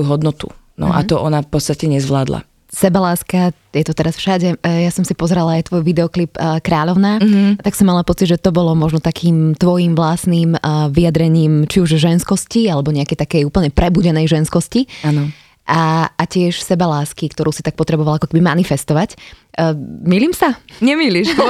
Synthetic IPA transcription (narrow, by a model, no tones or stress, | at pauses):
juɦɔd̪nɔt̪ṵnɔ̰ʔa̰ɔʔɔnafpɔt͡sst̪acɛɲɛzʋlaːd̪la̰ | sɛbalaːska | jɛt̪ɔt̪ɛɾasfʃaɟɛjasɔmsipɔzɾalaːjt̪ʋɔjʋid̪ɛɔklipkɾaːʎɔʊnaːat̪aksɔmːalapɔt͡siɟʒɛt̪ɔbɔlɔmɔʒnɔt̪akʰiːmt̪ʋɔjiːmʋlasniːmʋiad̪ɾɛɲiːmt͡ʃiuʒʒɛnskɔscialɛbɔɲɛakɛjt̪akɛjuːpl̩ɲɛpɾɛbuɟɛnɛjʒɛnskɔscianɔ | ʔaacɪɛʃsɛbalaːskikt̪ɔɾuːsi̥t̪ak̚pɔt̪ɾɛbɔʋalakɔ̥kɛbimanifɛst̪ɔʋacː | miliːmsaɲɛmiliʃ